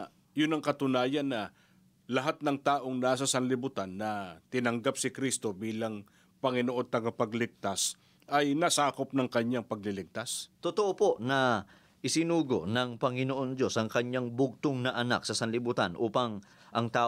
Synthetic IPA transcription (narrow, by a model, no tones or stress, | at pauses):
jʊnɐŋkɐt̪ʊnaːjɐnːɐ | lɐɦat̪̚nɐŋt̪aːʔo̞ŋnaːsɐsɐnlɪbut̪anːɐt̪ɪnɐŋɡap̚sɪkɾist̪o̞biːlɐŋ | pɐŋɪnoʔo̞d̪̚t̪ɐɡapɐɡlɪk̚t̪as | ʔɐjnɐsaːkop̚nɐŋkɐɲːaŋpɐɡ̚lɪlɪk̚t̪ast̪ot̪oʔopo̞ʔnɐ | ʔɪsɪnuːɡo̞nɐŋpɐŋɪnoʔo̞nd̪jo̞sʔɐŋkɐɲaŋbʊɡ̚t̪oŋnɐʔɐna̰ksɐsɐnlɪbut̪anʔuːpɐŋ | ʔɐŋt̪aː